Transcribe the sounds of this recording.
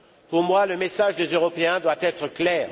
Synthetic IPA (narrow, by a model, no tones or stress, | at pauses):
puʁmwaləmesaʒd̪ezøʁɔpeɛ̃d̪wat̪ɛt̪χəklɛːʁ